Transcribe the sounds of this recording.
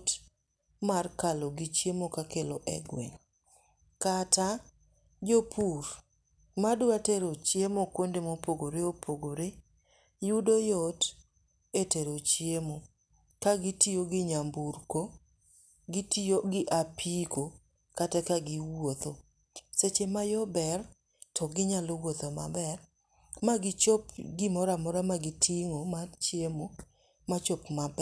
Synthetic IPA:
t | markaloɡɪt͡ʃjemokakelɔʔɛ̰ɡwɛ̰ŋ | kata | d͡ʒopʰur | madʊateɾot͡ʃjemokwondemopoɡoɾeopʰoɡoɾe | judojɔt | eteɾot͡ʃjemo | kaɡɪtijoɡɪɲamburko | ɡɪtioɡɪʔapʰiko | katɛkaɡɪwot̪o | set͡ʃemajɔbɛr | tʰɔɡɪɲalowot̪oma̰bɛr | maɡɪt͡ʃopɡɪmɔɾamɔɾamaɡɪtʰiŋomat͡ʃjemo | mat͡ʃopmabɛ

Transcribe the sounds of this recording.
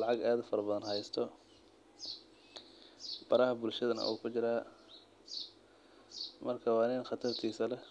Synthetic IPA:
ɑʕɑɡaːðʊfɐɾɐbɐðɐnɦɐjst̪ʰɔ | b̥ɐɾɐhɐbʊlʃɐðɐnɐ̰ʔṵːkʰʊt͡ʃɪɾaː | mɐrkʰɐwɑːnɪnxɑt̪ʰɐrt̪ʰiːsɐlɛ

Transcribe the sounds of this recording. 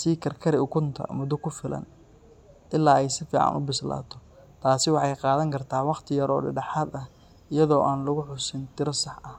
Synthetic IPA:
siːkʰɐrkʰɐɾɪʊkʰʊnt̪ʰɐ̰mʊd̪ʊkʰʊfɪlɐ̰n | ʔɪlːaːɛjsɪfiːʕɑ̰nʊ̰bɪsla̰ːt̪ʰɔ̥ | t̪ʰaːsɪwɑħɑjqɑːðɐŋkʰɐrt̪ʰaːwɑqt̪ʰɪjɐɾɔːɖɪ̰ɖɑħaːd̪ɐh | ɪjɐðɔːʔaːnlʊɣʊħʊsɪnt̪ʰɪɾɐsɑħɐh

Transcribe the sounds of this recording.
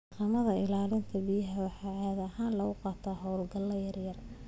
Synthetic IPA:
qɑmɐðɐɪlaːlɪnt̪ʰɐbɪjɐɦɐwɑħɑːʕaːðɐɦaːnlɐʊqɑːt̪ʰaːɦɔwlɡɐlɐjɐrjɐr

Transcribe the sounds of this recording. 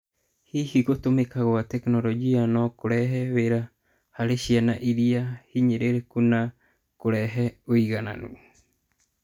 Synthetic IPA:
hihiɡot̪omekaɣoat̪eknoɾod͡ʒianokoɾɛɦɛβeɾa | haɾeʃianaʔiɾiahiɲeɾeɾekuna | koɾɛɦɛoiɣana̰nṵ

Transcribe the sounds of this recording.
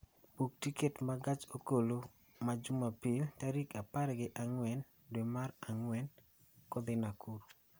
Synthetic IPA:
puk̚tiketmaɡat͡ʃokolo | mad͡ʒumapiltaɾikapaɾɡɪʔaŋwɛn | dwemaɾaŋwɛn | kɔd̪ɪnakuɾu

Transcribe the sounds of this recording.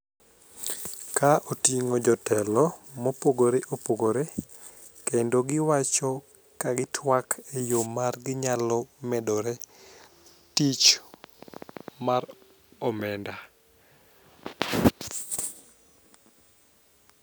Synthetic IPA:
kaʔotiŋod͡ʒɔtɛlɔmopoɡoɾeʔopoɡoɾe | kendoɡɪwat͡ʃɔ | kaɡɪtʰwakʰejomarɡɪɲalɔmɛdɔɾe | tit͡ʃ | mar | ɔmɛnda

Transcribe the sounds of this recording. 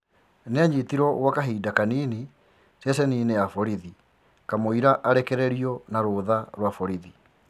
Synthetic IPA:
neaɲitiɾɔɣwakaɦiːdakaniːni | sjesɛniːnejafɔɾiði | kamoiɾaʔaɾɛkɛɾɛɾiɔnaɾoːðaɾwafɔɾiði

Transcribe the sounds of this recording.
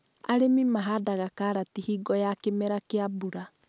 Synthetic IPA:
aɾemimaɦadaɣakaːɾatihiːɡɔjakemɛɾakeabuɾa

